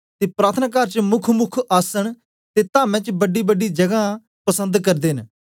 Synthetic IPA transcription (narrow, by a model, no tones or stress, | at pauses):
t̪eːpɾaːt̪ʰənaːkaːɾt͡ʃmʊkʰmʊkʰəsəɳ̃ | t̪eːt̪ãːmɛ̃ːt͡ʃbəɖiːbəɖiːd͡ʒəɡaː | pəsə̃nd̪kəɾd̪en